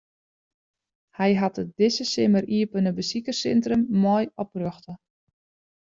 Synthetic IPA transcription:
hɛjɦatət̚dɪsəsɪməriəpənəbəsikərsɛntrəmːɔjɔp̚røxtə

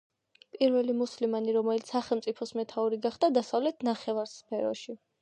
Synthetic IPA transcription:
pʼiɾvɛlimuslimaniɾɔmɛlit̪ssaχɛlˠmt̪sʼipʰɔsmɛt̪ʰauɾiɡaχd̪ad̪asavlɛt̪ʰnaχɛvaɾspʰɛɾɔ̰ʃi

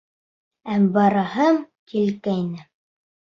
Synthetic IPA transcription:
æmbɑɾɑhɤm | kilkæjnɘ

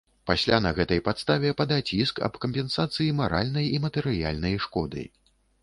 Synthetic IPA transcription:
pasʲlʲanɐɣɛt̪ɐjpat̪st̪avʲɛpad̪at͡sʲiskɐ̰pkɐmʲpʲɛnsat̪sɨjimaɾa̰lʲnɐjimɐt̪ɛɾɨja̰lʲnɐjʂkɔd̪ɨ̰

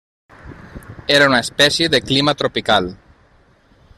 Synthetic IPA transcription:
eɾaunaespɛsjeðəklimat̪ɾopikal

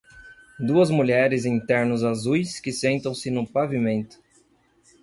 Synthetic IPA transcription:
d̪uɐzmuʎɛɾɪzĩnt̪ɛɾnʊzazujskɪsẽnt̪ɐ̃w̃sɪnʊ̃pavimẽnt̪ʊ̥

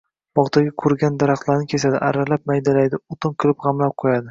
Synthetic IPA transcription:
b̥ɒʁt̪ʰaɡʲakʰʊɾɡʲand̪aɾaχt̪laɾnɪkʲʰe̞sad̪ɪʔaɾalap̚majd̪alajd̪ɪʊt̪ʰʊnkʲʰɪlɪpʁɑmlap̚qʰojad̪ɪ

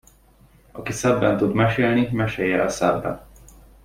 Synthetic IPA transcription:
ɒkisɛbːɛnt̪ud̪mɛʃeːlnimɛʃejɛlsɛbːɛ̰n

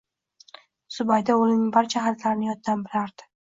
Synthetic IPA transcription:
sʊbajd̪aolɪnbaɾt͡ʃʰahat̪ʰlaɾnɪjɒt̪̚ʰːanbɪɾaɾd̪̥ɪ̥

